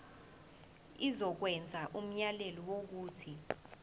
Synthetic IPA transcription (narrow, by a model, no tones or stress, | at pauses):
izɔk̬wɛnd͡zʱaʔum̩ɲalelɔwok̬uːtʰi